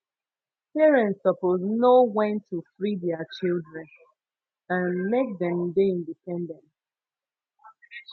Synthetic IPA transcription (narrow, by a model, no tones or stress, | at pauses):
pɛɹɛ̃ntsɔpoznowɛ̃ntːufɹidɛət͡ʃilˠdɹɛ̃n | ãnmek̚ðɛ̃mdeĩndipɛ̃ndɛ̃nt